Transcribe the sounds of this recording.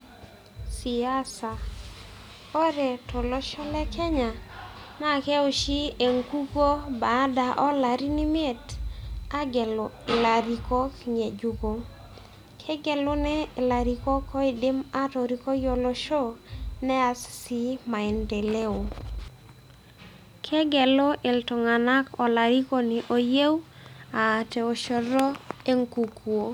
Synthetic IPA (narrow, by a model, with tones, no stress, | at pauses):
si˨a˦sa˨ | kɔ˦ɾɛ˨tʰɔ˨lɔ˦ʃɔ˦lɛ˦kʰɛ˦ɲa˨na˦kɛ˦o˨ʃi˦e˨ŋku˦ɡo˦ba˨˦da˨ʔɔ˦la˨ɾi˦ni˦me˦˨ta˦ɡɛ˨lʊ˨ɪ˨la˨ɾi˨kɔ˦kɲe˨d͡ʒu˨ɡo˨ | kʰɛ˦ɡɛ˨lʊ˦nɛ˦˨la˨ɾi˨ko˦kʰɔ˦i˨dɪ˦ma˦tɔ˨ɾi˨ko˦jo˨lo˦ʃo˦nɛ˦a˨ssi˦ma˨ɛ˨nde˨le˦o˨ | kʰɛ˦ɡɛ˨lo˦ʔe˨ltɔ˨ŋa˨na˦kɔ˨la˨ɾi˦ko˦ni˨ʔo˨je˦waː˨tɛ˨o˨ʃɔ˨ɾɔ˦e˦ŋku˨kwo˨